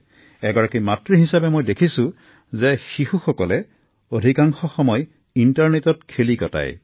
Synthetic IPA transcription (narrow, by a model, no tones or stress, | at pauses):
ɛɡɔɹakimatɹiɦisabemojdekʰisũ | zexihuxɔkɔle | odʱikaŋxɔxɔmɔj | intaɹnetɔtkʰelikɔta̰j